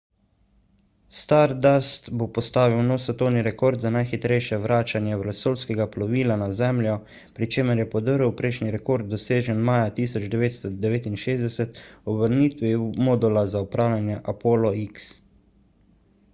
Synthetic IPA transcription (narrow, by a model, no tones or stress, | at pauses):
st̪aɾd̪ast̪bopɔst̪aːʋiwnɔːwsɛt̪ɔwniɾɛkoɾd̪zanajxit̪ɾɛjʃɛwʋɾaːt͡ʃanjɛʋlɛsoːlskɛɡaplɔʋiːlanazɛmlʲjɔ | pɾit͡ʃeːməɾjɛpɔd̪əɾəwpɾɛjʃniɾɛkoɾd̪̚ːɔseːʒɛnmaːjat̪iːsɔd͡ʒd̪ɛʋeːt̪st̪ɔd̪ɛʋeːt̪inʃeːzd̪ɛsɛt̪ɔbəɾniːt̪ʋimɔd̪ulazaɔpɾaːwljanjɛʔapoːlɔiks